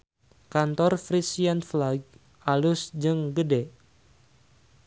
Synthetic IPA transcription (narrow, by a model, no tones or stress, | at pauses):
kant̪ɔrfɾisianflaɡ̚ | alʊsd͡ʒɨŋɡədɛ